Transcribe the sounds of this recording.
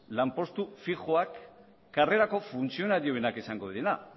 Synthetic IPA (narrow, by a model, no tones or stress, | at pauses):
lampo̞st̪ufiɣoakː | are̞ɾako̞funt͡sio̞naɾioenakesaŋɡo̞ðiena